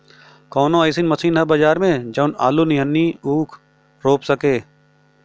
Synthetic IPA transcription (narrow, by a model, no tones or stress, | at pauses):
kɔːnõəːsinmɐsiːnɦɐbɐd͡ʒaːɾmẽd͡ʒɐʊnaːlunɪjənːiuːkʰ | ɾoːpsəkeː